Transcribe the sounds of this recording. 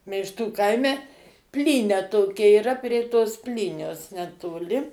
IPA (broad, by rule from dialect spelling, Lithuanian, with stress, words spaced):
mʲɛɪʃˈtuː ˈkɐɪmʲɛ ˈpʲlʲiːnʲɛ ˈtoːkʲɛ iːˈrɐ pʲrʲiɛ toːs ˈpʲlʲiːnʲoːs nʲɛtoːˈlʲɪ